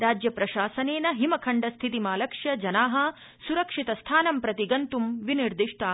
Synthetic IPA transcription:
ɾaːd͡ʒjɐpɾɐʃaːsɐneːnɐɦimɐkʰɐɳɖɐst̪ʰit̪imaːlɐkʂjɐd͡ʒɐnaːɦɐ̆ | suɾɐkʂit̪ɐst̪ʰaːnɐmpɾɐt̪iɡɐnt̪umʋiniɾd̪iʂʈaː

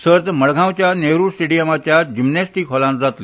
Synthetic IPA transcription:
səɾt̪məɽɡʱãwt͡ɕjaneɾusʈeɽijəmat͡ɕjad͡ʑimnesʈikɦɔlãnd͡zat̪li

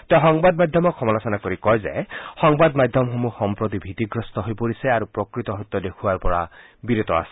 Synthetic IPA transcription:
t̪eɔxɔŋbadmajd̪ʱjɔmɔɔmɔlasɔnakoɹikɔjzɛ̰xɔŋbadmajd̪ʱjɔmɦomuxɔmpɹot̪ibʱit̪iɡɹɔst̪ɔɦojpoɹisɛaɹupɹɔkɹit̪ɔɦojt̪ːɔdekʰuwaɹpɔɹa̰ | biɾut̪ɔ̰a̰sɛ̥

